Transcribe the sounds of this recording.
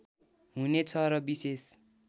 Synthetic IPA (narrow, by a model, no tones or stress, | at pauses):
ɦunet͡sʰʌɾʌbises